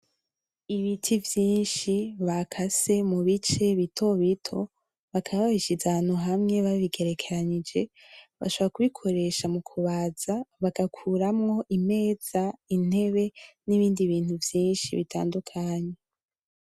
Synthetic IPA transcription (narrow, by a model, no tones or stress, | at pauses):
iβitʰivjiːnʃiβakʰase̞muβit͡ʃe̞βitʰo̞βitʰo̞ | βakʰaβahiʃizaaːn̥huɦamŋe̞βaβiɡe̞ɾekʰe̞ɾaɲid͡ʒe̞ | βa̰ʃoβoɾakuβikʰo̞ɾe̞ʃamukʰuβaːz̥aβakakʰuɾamŋo̞ʔime̞ːz̥ain̥e̞βe̞niβiːndiβiːn̥huvjiːnʃḭβitʰa̰ːndukʰaɲe